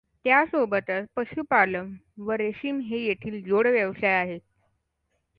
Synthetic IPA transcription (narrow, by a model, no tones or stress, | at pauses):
t̪jasobət̪ət͡spəɕupaləmʋəɾeɕiːmɦejeʈ̪ʰiːld͡zoɽʋjəʋsajaɦet̪